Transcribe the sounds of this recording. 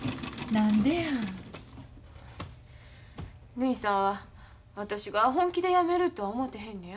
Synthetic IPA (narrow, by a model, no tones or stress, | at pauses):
nãnd̪ea | nɯ̟isãɰ̃βa | βat̪aɕiɡaɦõ̞ŋkʲid̪e̞jame̞ɾɯ̟t̪o̞omo̞t̪ːeɦẽ̞nːej